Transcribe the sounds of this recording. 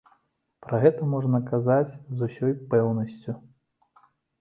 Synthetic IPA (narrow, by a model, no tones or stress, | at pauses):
pɾɐɣɛt̪ɐmɔʐnɐkazat͡sʲzusʲɔjpɛwnɐsʲt͡sʲu